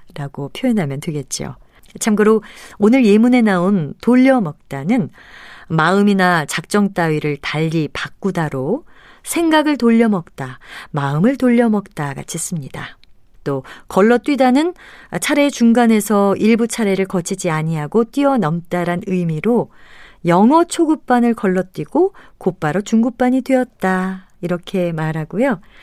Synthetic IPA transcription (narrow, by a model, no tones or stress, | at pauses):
ɾaɡopʰjoenɦamjʌntweɡe̞t̚t͡ɕ͈io̰ | t͡ɕʰamɡɯɾoonɯɾje̞mune̞naontoʎːʌmʌk̚t͈anɯn | maɯminat͡ɕak̚t͡ɕ͈ʌŋt͈aɥiɾɯɭtaʎːipak̚k͈udaɾosʰe̞ŋɡaɡɯɭtoʎːʌmʌk̚t͈amaɯmɯɭtoʎːʌmʌk̚t͈aɡa̰t͡ɕʰis͈ɯmɲida | t͈okʌɭːʌt͈ɥidanɯnt͡ɕʰaɾe̞t͡ɕuŋɡane̞sʰʌiɭbut͡ɕʰaɾe̞ɾɯɭkʌt͡ɕʰid͡ʑiaɲiɦaɡot͈wɥiʌnʌmt͈aɾanɯjmiɾojʌŋɦʌt͡ɕʰoɡuk̚p͈anɯɭkʌɭːʌt͈wiɡ̥okop͈aɾʌt͡ɕuŋɡuk̚p͈aɲitweʌt̚t͈a | iɾʌkʰe̞maɾɦaɡojo